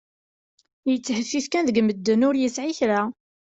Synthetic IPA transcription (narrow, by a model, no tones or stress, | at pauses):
jət͡sːhəfːiθkænðəɡməd̪ːənʊɾjəsʕiçɾa